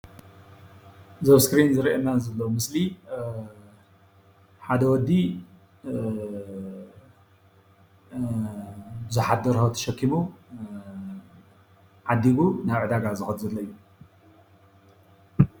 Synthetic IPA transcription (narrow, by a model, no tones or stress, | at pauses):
zɐβskɾinzɨɾiʔemazɐlːɐwumɨsli | ħad̪ɐwɔd̪ːi | bɨzuħad̪ɐɾhot̪ʰɐ̥ʃɐkʰːimu | ʕad̪iɡunaβʕɨd̪aɡazɨxɐt̪zɐlːɐjːu